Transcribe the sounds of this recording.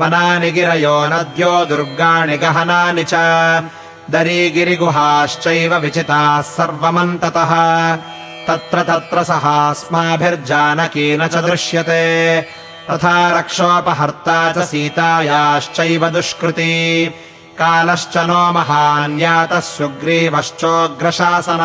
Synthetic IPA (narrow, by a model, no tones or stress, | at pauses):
ɐnaːniɡiɾɐjoːnɐd̪joːd̪uɾɡaːɳiɡɐɦɐnaːnit͡ʃɐ | d̪ɐɾiːɡiɾiɡuɦaːʃt͡ʃɐjʋɐʋit͡ʃit̪aːsɐɾʋɐmɐnt̪ɐt̪ɐɦɐ̆ | t̪ɐt̪ɾɐt̪ɐt̪ɾɐsɐɦaːsmaːbʱiɾd͡ʒaːnɐkiːnɐt͡ʃɐd̪ɾɪʂjɐt̪eː | t̪ɐt̪ʰaːɾɐkʂoːpɐɦɐɾt̪aːt͡ʃɐsiːt̪aːjaːʃt͡ʃɐjʋɐd̪uʂkɾɪt̪i | kaːlɐʃt͡ʃɐnoːmɐɦaːnjaːt̪ɐsjuɡɾiːʋɐʃt͡ʃoːɡɾɐʂaːsɐnɐ